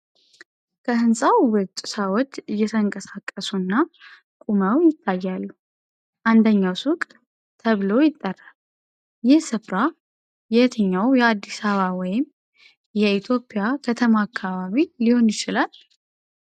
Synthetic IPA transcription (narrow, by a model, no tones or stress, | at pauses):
kʰəhɨnsʼawwɨt̪ʼːsawɔt̪ʼːɨjːɛt̪ʰəŋkʼəsakʼːəsunːa | kʼuməwjɪt̪ʰːajːalːu | ʔand̪əɲːawsʊk̪ʼ | t̪ʰəβlo̞jɪt̪ʼːərːal | jɛhsɨfɾa | jɛt̪ʰəɲːawjɛad̪ːisaβawɔjɪm | jɛit̪ʰjo̞pʼɪjakʰət̪ʰəmaːkʰːaβaβiliho̞njɪt͡ʃɪlal